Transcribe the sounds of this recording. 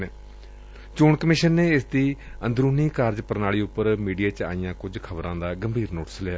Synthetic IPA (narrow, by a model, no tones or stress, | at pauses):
eː | t͡ʃʊːɳkəmɪʃənːeːɪsd̪iːə̃nd̪ɾuːniːkaːɾd͡ʒpəɾnaːɭiːʊpːəɾmiːɖijaːt͡ʃa̰ːijãːkʊd͡ʒkʰəbɾãːd̪aːɡəmbʱiːɾnoːʈə̥slɪaː